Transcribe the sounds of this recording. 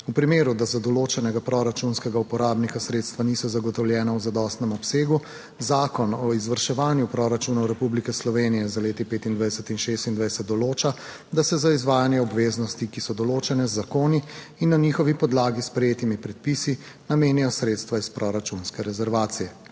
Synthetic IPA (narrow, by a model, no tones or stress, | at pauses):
upɾimeːɾud̪azad̪ɔloːt͡ʃɛnɛɡapɾɔɾat͡ʃunskɛɡaupɔɾaːbnikasɾeːt̪st̪ʋanisɔzaɡɔt̪ɔwljɛːnawzad̪ɔst̪nɛmɔpseːɡu | zaːkɔnɔizʋəɾʃɛʋaːnjupɾɔɾat͡ʃunɔwɾɛpublikɛslɔʋeːnijɛzaleːt̪ipeːt̪ind̪ʋajsɛt̪inʃeːst̪ind̪ʋajsɛt̪̚d̪ɔloːt͡ʃa | d̪asɛzaizʋaːjanjɛɔbʋeːznɔst̪ikisɔd̪ɔloːt͡ʃɛnɛzːakoːniː | nːaniːxɔʋipɔd̪laːɡispɾɛjeːt̪imipɾɛt̪̚pisi | nameːnijɔsɾeːt̪st̪ʋaispɾɔɾat͡ʃunskɛɾɛzɛɾʋaːt̪sijɛ